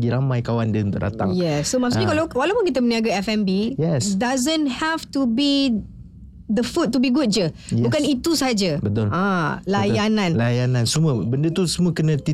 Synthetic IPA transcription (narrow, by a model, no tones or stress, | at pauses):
ɡiɾamajkawandəunt̪ʊ̰ʔ̚da̰t̪a̰ŋjɛsːomassnĩkalawalawpʊnkit̪əməniaɡaɛfɛmbijɛsdazə̃nhɛft̪ubi | d̪əfut̪̚ːubiɡut̚d͡ʒə | bukanit̪usəɦad͡ʒabət̪ʊlãlajanãnlajanãnsəmuəbəndət̪usəmuəkənə̃t̪i